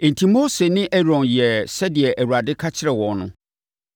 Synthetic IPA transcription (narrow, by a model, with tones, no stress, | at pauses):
ɪ̃˨ntʰĩ˨mo˦se˨nɪ̃˦ʔɛ˦ɾɔ̃˨njɛ˨sɛ˦dɪ˨ɛ˨ʔæ˨wu˨ɾa˨dɪ˦kʰa˦t͡ɕʰɪ˦ɾɛ˨wɔ˨nʊ̃˦